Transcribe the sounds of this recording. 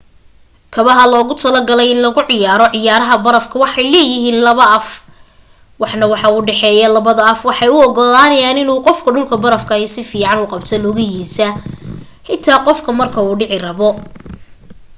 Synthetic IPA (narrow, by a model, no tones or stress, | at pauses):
kʰɐβɐɦɐlɔːɣʊt̪ʰɐlɐɡɐlɛjɪnlɐɣʊʕɪjaːɾɔʕɪjaːɾɐɦɐbɐɾɐfkʰɐwɑħɑjlɛːjɪɦiːnlɐβɐʔɐf | wɑħnɐwɑħɑuːɖɛħɛːjɐlɐβɐðɐɐfwɑħɑjʊɔɡɔlaːnɐjaːnɪnuːqɔfkʰɐɖʊlkʰɐbɐɾɐfkʰɐɛsɪfiːʕɑnʊːqɑbt̪ʰɐlɔɣɐjiːsɐ | ħɪnt̪ʰaːqɔfkʰɐmɐrkʰɐuːɖɪʕɪrɐβɔ